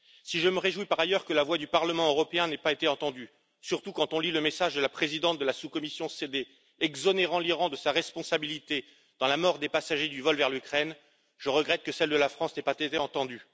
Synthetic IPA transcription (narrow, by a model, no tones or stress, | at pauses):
siʒəməʁeʒwipaʁajœʁkəlavwad̪ypaʁləmɑ̃øʁɔpeɛ̃nɛpaet̪eɑ̃t̪ɑ̃d̪y | syʁt̪ukɑ̃t̪ɔ̃liləmesaʒd̪əlapχezid̪ɑ̃t̪̚d̪əlasukɔmisjɔ̃sed̪e | ɛɡzɔneʁɑ̃liʁɑ̃d̪əsaʁɛspɔ̃sabilit̪e | d̪̥ɑ̃lamɔʁd̪epasaʒed̪yvɔlvɛʁlykχɛn | ʒ̥əʁəɡʁɛt̪̚kəsɛld̪əlafχɑ̃snɛpatet̪eɑ̃t̪ɑ̃d̪y